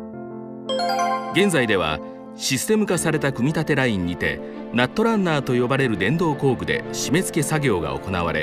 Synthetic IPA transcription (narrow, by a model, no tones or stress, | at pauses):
ɡẽ̞nzaid̪e̞βa̰ | ɕisɨ̥t̪e̞mɯ̟kasaɾe̞t̪akɯ̟mʲit̪at̪e̞ɾaĩɲ̟ːit̪e̞̰ | nat̪ːo̞ɾãnːaːt̪o̞jo̞baɾe̞ɾɯ̟d̪ẽ̞nd̪o̞ːko̞ːɡɯ̟d̪e̞̰ɕime̞zɨ̥ke̞saɡʲo̞ːɡa̰o̞̰ko̞na̰βa̰ɾe̞̰